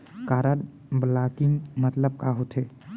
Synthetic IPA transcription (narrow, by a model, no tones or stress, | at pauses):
kaːɾəɖ | blakiŋmət̪ləb̚kaɦot̪ʰe